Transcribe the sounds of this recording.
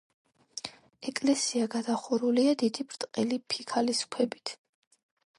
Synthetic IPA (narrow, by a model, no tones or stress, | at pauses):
ɛkʼlɛsiaɡad̪aχuɾuliad̪id̪ibʰɾt̪ʼqʼɛlipʰikʰaliskʰwɛbit̪ʰ